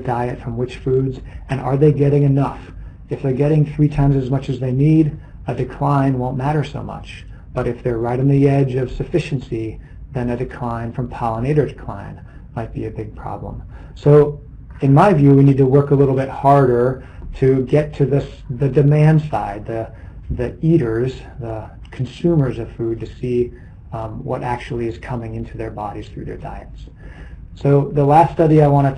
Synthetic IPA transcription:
daɪɨtfɹʌ̃mwɨt͡ʃfʉdzɨ̃nə̰˞ðeɪɡɛɾɪ̃ŋɨnʌf | ɨfðə˞ɡɛɾɪ̃ŋθɹitʰãɪ̃mzɨzmʌt͡ʃɨzðeɪniɾ | ɨdɨkʰl̥ãɪ̃nwõʊ̃nmæɾə˞so̰ʊmʌ̰t͡ʃ | b̥ʌɾɨfðə˞ɹaɪɾ̃n̩ðiɛd͡ʒʌv̥sɨfɪʃn̩si | ðɨ̃nɨdɨkʰl̥ãɪ̃nfɹʌ̃mpʰɑlˠəneɪɾə˞dɨkʰl̥ã̰ɪ̃n | maɪt̚b̥iɨbɪɡ̚pʰɹ̥ɑ̰blə̰̃m | soʊ | ɨ̃nmaɪvjʉwinid̚tʰəwɜ˞kəlɪɾl̩ˠbɪt̚hɑɹɾə˞ | ɾɨɡɛtʰɨðɨs | ðɨdɨmæ̃nd̥saɪd̪̚ðɨ | ðiiɾə˞z | ðə | kʰn̩sʉ̃mə˞zʌv̥fʉd̚tʰɨsi | wʌ̰ɾʔæk̚t͡ʃul̩ˠiɨz̥kʰʌmɪ̃ŋɪ̃ntʰʉðə˞bɑɾiz̥θɹʉ̰ðə̰˞da̰ɪɨts | soʊðəlæststʌɾiaɪwɑ̃ɾ̃ɨ

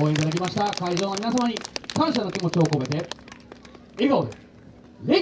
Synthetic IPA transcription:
oẽit̪ad̪akʲimaɕi̥t̪akaiʑoːamʲinasamaɲ̟ikãɰ̃ɕ̬ano̞kʲimo̞t͡ɕio̞ːkobet̪e | iɾɯkood̪e | ɾe

